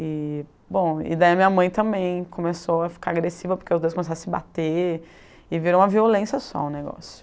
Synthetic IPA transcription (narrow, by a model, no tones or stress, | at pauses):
ɪ | bõw̃ɪ̰d̪aiɐmĩɲɐmɐ̃j̃t̪ɐ̃mbẽj̃kʰõmesowɐfi̥kaɾaɡɾesivɐpʊɾkeʊzd̪ojskomesaɾ̃sɪba̰t̪e | ɪviɾɐ̃ũmɐviolẽsjɐsɔ̰ũneɡɔ̰sjʊ̥